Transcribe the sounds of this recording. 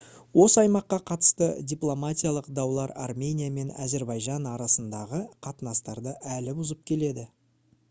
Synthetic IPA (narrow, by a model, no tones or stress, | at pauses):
wo̞səɑjmɑqːɑqʰɑt̪ə̥st̪ədʲijplˠomat̪ʲijalˠəqd̪ɑwlˠɑɾa̰rmʲe̞nʲijame̞naze̞ɾbɑjʒɑnɑɾɑsənd̪ɑʁəqʰɑt̪ənɑst̪ɑɾd̪əʔælɪbʊzəp̚kʲʰe̞le̞d̪ɪ